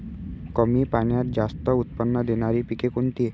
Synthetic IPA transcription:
kəmipaɳjat̪̚d͡ʑast̪əut̪̚pənːəd̪enaɾipikekoɳʈ̪i

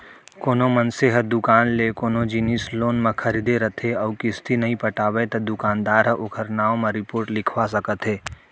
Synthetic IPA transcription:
koːnomənseɦəd̪ʊkaːnlekoːnod͡ʒiniːsloːnmɐ̃kʰɐɾiːd̪eɾɐt̪ʰeɔːkɪst̪ʰinɐɦĩpɐʈaːʋet̪ɐd̪ʊkaːnd̪aːɾɦəʔʊkʰəɾnaːõmɐ̃ɾɪpoːɾʈlɪkʰwasəkət̪ɦeː

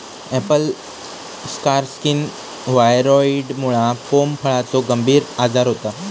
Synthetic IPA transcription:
ɛpəl | skaɾskin | ʋajɾɔiɖmuɭãfompʰəɭat͡soɡəmbʱiːɾad͡zaɾɦot̪a

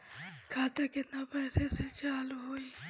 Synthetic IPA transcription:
kʰaːt̪akɪt̪napɛːseset͡ʃaːluɦoːi

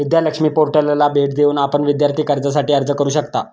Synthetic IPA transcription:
ʋid̪jaləkʂmiːpoɾʈəllabʱeʈd̪euːnapəɳʋid̪jaɾt̪ʰiːkəɾd͡zas̬aʈiːəɾd͡zəkəɾuːɕəkt̪a

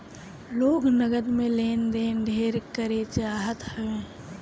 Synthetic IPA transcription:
loːɡnəɡəd̪mẽleːnd̪eːnd̪ʱeːɾkəɾet͡ʃːaːɦət̪hɛʋẽː

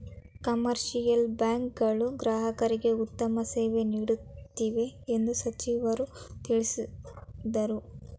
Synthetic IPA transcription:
kɐmɐɾʃijɐlbjaːŋk̚ɡɐɭuɡɾaːɦɐkɐɾiɡe̞ut̪ːɐmɐseːʋe̞niːɽut̪ːiʋe̞ːnd̪usɐt͡ʃiːʋɐɾut̪iɭisid̪ɐɾu

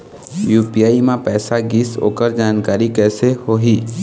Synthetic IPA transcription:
juːpijaːimãpɛːsaɡɪso̰ːkəɾd͡ʒaːnkaːɾikɛːsehoːɦiː

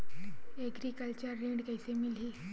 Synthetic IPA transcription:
eɡɾikəlt͡ɕəɾːeɳɖkajsemilɦi

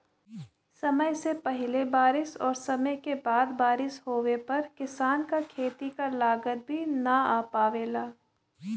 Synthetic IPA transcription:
sɐməjsepɐɦɪlebaːɾɪsɔːɾsɐməjkebaːd̪baːɾɪshɦoːwepɐɾkɪsaːnkakʰeːt̪ikalaːɡət̪̚bʱinaaːpaːʋeːlaː

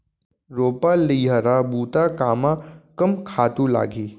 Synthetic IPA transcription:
ɾoːpalijɦəɾabuːt̪akaːmãkəmkʰaːt̪ula̰ːɡʱiː

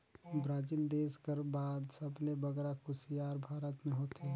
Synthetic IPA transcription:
bɾaːd͡ʒiːld̪eːskəɾbaːd̪səblebəɡɾakʊsijaːɾbʱaːɾət̪mẽɦoːt̪ɦɛː

